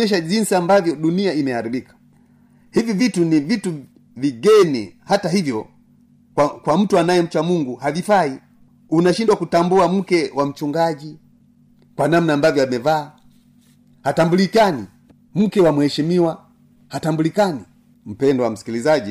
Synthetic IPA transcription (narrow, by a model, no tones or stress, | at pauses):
ɛʃ̬aʄinsiambavjɔɗuniaimɛhaɾibikḁ | hivivitunivitu | viɡɛnihataɦivjɔ | kakwam̩tuanajɛm̩t͡ʃwamuŋɡuhavifai | unaʃindwakutambuam̩kɛwam̩t͡ʃuŋɡaʄi | kwanamnaːmbavjɔamɛvaː | hatambulikani | m̩kɛwamuhɛʃimiwa | hatambulikani | m̩pɛndɔwam̩si̥kilizaʄi